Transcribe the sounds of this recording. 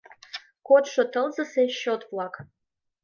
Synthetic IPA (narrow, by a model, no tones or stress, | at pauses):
kot̪ʂot̪əlˠzəseɕot̪vlˠɑk